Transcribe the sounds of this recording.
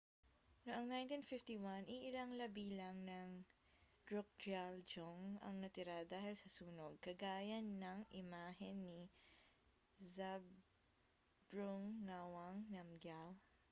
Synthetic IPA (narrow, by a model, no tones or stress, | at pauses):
noʔɐŋnajnt̪infɪft̪iwanʔiʔɪlaŋlɐbiːlɐŋnɐŋ | d̪̥ɹok̚d͡ʒald͡ʒoŋɐ̰ŋnɐt̪ɪɾad̪aːhɪlsɐsuːnoɡ̚kɐɡaːjɐnːɐŋʔɪmaːɦɛnːi | zab | ɹuŋːawɐŋnɐmɡal